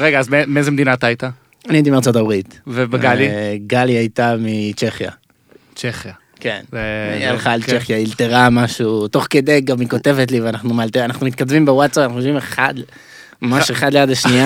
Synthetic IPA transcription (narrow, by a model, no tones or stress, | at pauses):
ʁeɡaːzmemeezemed̪inat̪aajt̪a | anijd̪imaʁt͡so̞tabʁit̪vebeɡaliɡaliajt̪amit͡ʃe̞χja̰ | t͡ʃeχja | kenjaleχaːlt͡ʃeχjailt̪eʁamaʃuto̞χke̞d̪ejɡamiko̞t̪e̞vet̬liveanaχnumalt̪eanaχnumit̪̚kadvimbewatt͡sapanaχnujoʃvimeχad̪ | mmaʃeχad̪lejadleʃnia